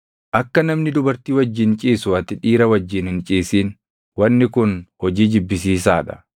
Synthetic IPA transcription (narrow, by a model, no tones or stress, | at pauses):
ʔɐkːɐnɐmnɪd̪ʊbɐɾt̪iːwɐd͡ʒːɪnt͡ʃʼiːsʊɐt̪ɪᶑiːɾɐwɐd͡ʒːɪːnhɪnt͡ʃʼiːsiːn | wɐnːɪkʊnhɔd͡ʒiːd͡ʒɪbːɪs̬iːsaːᶑɐ̥